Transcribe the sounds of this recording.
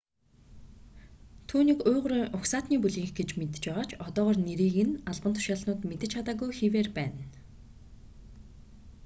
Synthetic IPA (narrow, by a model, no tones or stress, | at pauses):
t̪ʰuːniːkʊːʁɾʊksaːt̪niːpuɮiːŋxɡet͡ɕmet̪̆t͡ɕpæːʁaːt͡ɕʰɔt̪ɔːʁɔːrneɾiːɣɘ̆naɮpənt̪ʰʊ̥ʃaːɮnʊːt̪met̪ɘ̆t͡ɕʰat̪aːɣujxiweːrpæːn